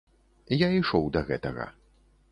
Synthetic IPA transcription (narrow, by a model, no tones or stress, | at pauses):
jaiʂɔwd̪ɐɣɛt̪ɐɣɐ̰